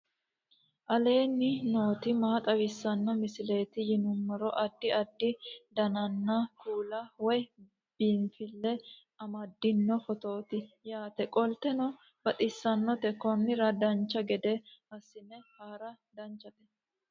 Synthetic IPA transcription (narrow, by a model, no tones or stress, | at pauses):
ʔɐle̞ːnːɪno̞ːt̪ɪmaːt̪ʼɐwɪsːɐnːɔmɪsɪle̞ːt̪ɪjɪnʊmːɐɾɔʔɐd̪ːɪɐd̪ːɪd̪ɐnɐnːɐkuːlɐwɔj | b̥iːnfɪlːɛ | ɐmɐd̪ːɪnːɔfɔt̪o̞ːt̪ɪjaːt̪ɛkʼɔlt̪ɛnɔ | bɐt̪ʼɪsːɐnːɔt̪ɛkɔnːɪɾɐd̪ɐnt͡ʃːɐɡɛd̪ɛhɐsːɪnɛhaːɾɐ | d̪ɐnt͡ʃːɐt̪ɛ